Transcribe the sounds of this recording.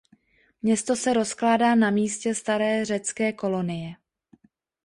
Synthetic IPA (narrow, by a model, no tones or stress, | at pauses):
mɲɛst̪o̞sɛɾo̞sklaːdaːnamiːscɛst̪aɾɛːr̝ɛt͡skɛːko̞lo̞nɪjɛ